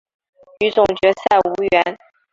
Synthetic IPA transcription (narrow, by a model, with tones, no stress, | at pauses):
y˧˥t͡sʊ˨˩ŋt͡ɕɥɛ˧˥sa˥˩ɪu˧˥ɥɛ˧˥n